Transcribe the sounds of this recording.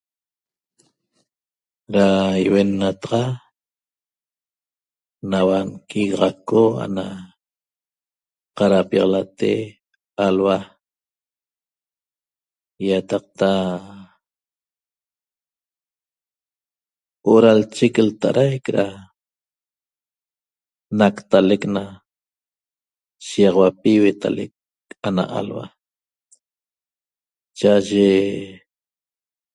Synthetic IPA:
ɾaiwenːat̪ɑʁɑ | nawankiɣʁɑkoa̰na | qɑɾapjɑʁɑlat̪e | alwa | jat̪ɑq̚t̪a | oʔɾalt͡ʃeklt̪aʔɾʔajkɾa | nakt̪alekna | ʃijɑʁwapiwet̪ʰa̰lek̚ | ana̰ʔa̰lwa̰ | t͡ʃaʔaʒe

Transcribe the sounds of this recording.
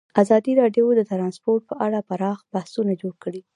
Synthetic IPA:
azɑd̪iɾɑɖjowd̪ət̪ɾɑnspoɾʈ̚pəʔaɽapaɾɑxb̥ahsunad͡ʒoɽkəɽi

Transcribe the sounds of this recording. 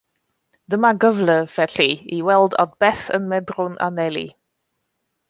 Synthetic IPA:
d̥əmaɡəvləvɛɬiiwɛlˠdɔ̰d̚bɛθə̰nmɛdrʊnʔa̰nɛlˠḭ

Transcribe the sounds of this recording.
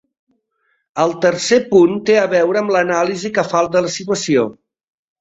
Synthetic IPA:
əlˠt̪əɾsepunt̪eəβɛwɾəːmlənalizikəfalˠt̪ələsit̪wəsio

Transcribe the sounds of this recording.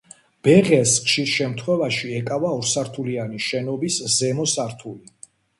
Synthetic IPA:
b̥ɛʁɛsχʃiɾʃɛmt̪ʰχwɛvaʃiɛkʼavaɔɾsaɾt̪ʰulianiʃɛnɔbiszɛmɔsaɾt̪ʰuli

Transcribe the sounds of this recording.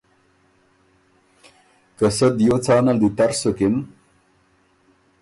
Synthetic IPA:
kɐsɐd̪jot͡sɑːnɐld̪it̪ɐɾsokim

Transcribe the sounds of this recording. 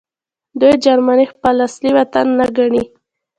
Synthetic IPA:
d̪ujd͡ʒaɾmanixpalasliwat̪anːaɡaɳi

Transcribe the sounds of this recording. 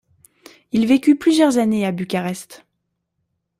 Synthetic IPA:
ilvekʲyplyzjœʁzaneabykʲaʁɛst̪

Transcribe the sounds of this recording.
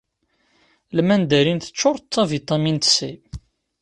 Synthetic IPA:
lmænd̪æɾinθə̥t͡ʃːʊɾˤt̪ːævit̪ˤɑmint̪si

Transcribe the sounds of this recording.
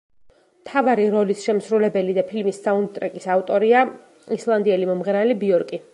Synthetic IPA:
mt̪ʰavaɾiɾɔlisʃɛmsɾulɛbɛlid̪apʰilmisːaund̪t̪ʼɾɛkʼisaft̪ʼɔɾia | islˠand̪iɛlimɔmʁɾalibiɔɾkʼi

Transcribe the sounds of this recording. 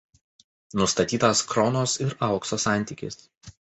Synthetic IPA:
nʊst̪ɐt̪ʲiːt̪ɐskɾɔnoːsɪɾɑˑʊksoːsɑˑnʲˑt̪ʲiːˑkʲɪ̰s

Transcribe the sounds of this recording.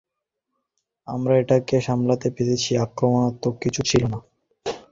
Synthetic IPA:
a̰mɾaeʈakeʃamlat̪epet̪ʰet͡ɕʰiakɾomonat̪ːokːit͡ɕʰut͡ɕʰilona

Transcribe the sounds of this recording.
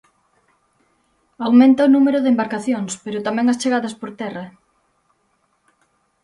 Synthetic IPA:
awmẽnt̪aonumeɾʊðembaɾkaθjoŋspeɾʊt̪amɛ̃ŋɐst͡ʃeɣaðɐspoɾt̪ɛrɐ

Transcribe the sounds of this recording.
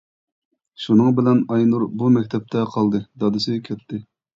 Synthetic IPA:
ʃunɨŋbɪlɛnɑjnuɾbumɛkʲt̪ʰɛp̚t̪ʰɛqʰɑlˠd̪ɨd̪ɑd̪ɨsɪkʲʰɛt̪ʰːɪ

